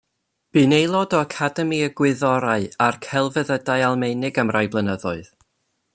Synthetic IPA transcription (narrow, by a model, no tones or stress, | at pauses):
b̥iːnejlˠɔdɔəkʰadɛmiəɡwɪðɔɾaɨarkʰɛlˠvəðədajalˠmejnɪɡəmrajblˠənəðʊɨð